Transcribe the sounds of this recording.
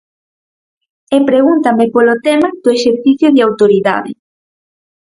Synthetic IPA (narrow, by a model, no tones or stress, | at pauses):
epɾeɣunt̪ɐmɪpolot̪ɛmɐð̥oeʃeɾθiθjʊðawt̪oɾiða̰ðɪ̰